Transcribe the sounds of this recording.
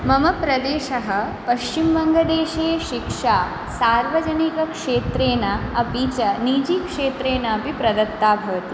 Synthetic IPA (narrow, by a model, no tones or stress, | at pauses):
mɐmɐpɾɐd̪eːʃɐɦɐpɐʃt͡ʃimbɐŋɡɐd̪eːʃeːʃikʂaː | saːɾʋɐd͡ʒɐnikɐkʂeːt̪ɾeːnaɐbiːt͡ʃɐniːd͡ʒiːkʂeːt̪ɾeːnɐːpipɾɐd̪ɐt̪ːaːbʱɐʋɐt̪i